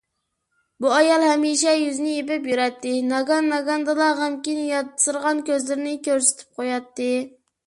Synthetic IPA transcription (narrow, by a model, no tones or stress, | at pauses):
buɑjɑlˠhɛmiʃɛjyznɪepɪpjyɾɛt̪ʰːɪnɑɡɑnːɑɡɑnd̪ɨlˠɑʁɑmkʲinjɑt̪ɨ̥sɨɾʁɑnkʲøzlɪɾnɪkʲøɾsɪ̥t̪ʰɪ̥p̚qʰojɑt̪ːɨ